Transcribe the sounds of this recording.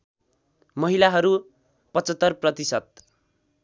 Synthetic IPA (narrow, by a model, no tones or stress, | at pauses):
mʌɦilaɦʌɾu | pʌt͡sʌt̪ːʌrprʌt̪isʌt̪̚